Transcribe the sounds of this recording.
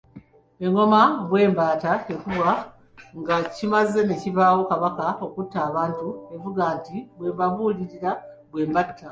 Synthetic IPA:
e̞ŋo̞maβwe̞ːmbaːtae̞kuβwa | ŋɡacimaze̞ne̞ciβaːwo̞kaβakao̞kutːaːβaːntue̞vuɡaːntiβweːmbaβuːliɾiɾa | βwe̞ːmbatʰːa

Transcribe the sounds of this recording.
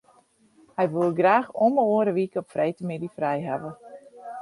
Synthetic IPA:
hɛjʋulˠɡraːxoməoːəɾəʋikəɔpfrʔɛjtəmɪdifrɛjɦa̰ʋə

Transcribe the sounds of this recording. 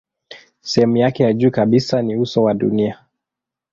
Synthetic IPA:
sɛhɛmujakɛjaʄuːkaɓisaniusɔwaɗṵnia

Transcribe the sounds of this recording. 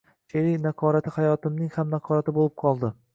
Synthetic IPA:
ʃeɾɪnaqʰɒɾat̪ʰɪhajɒt̪ɪmnɪŋhamnaqʰɒɾat̪ʰɪbolˠɪp̚qʰɒlˠd̪ɪ

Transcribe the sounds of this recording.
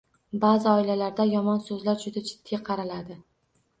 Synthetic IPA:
bazɪɒɪlalaɾd̪ajɒmɒnsɵzlaɾd͡ʒʊd̪ad͡ʒɪd̪̥ːɪqʰɑɾalad̪ɪ

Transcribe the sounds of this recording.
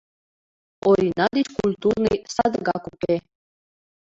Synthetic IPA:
oɾʲinɑd̪it͡ɕkulʲt̪urnɨjsɑd̪əɡɑkupʲe

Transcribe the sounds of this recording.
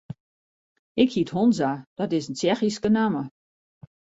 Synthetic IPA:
ɪkhiəthonzad̥ɔtɪsənt͡ʃɛxiskənamə

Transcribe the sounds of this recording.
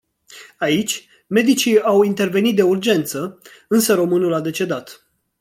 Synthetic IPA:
ait͡ʃʲ | me̞d̪it͡ʃiawint̪e̞rve̞nit̪̚d̪e̞urd͡ʒe̞nt̪sə | ɨnsəɾo̞mɨnulad̪e̞t͡ʃe̞d̪at̪

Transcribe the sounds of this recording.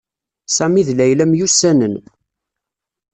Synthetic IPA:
sæmiðlæjlæmjusænən

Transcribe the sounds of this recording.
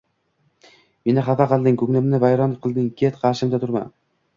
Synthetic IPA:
me̞nɪχɑfɑqɨlˠd̪ɪŋkʰɵŋlɪmnɪvajɾɒnqʰɨlˠd̪ɪŋkʲʰet̪qʰɑɾʃɪmd̪at̪ʰʊɾma̰n

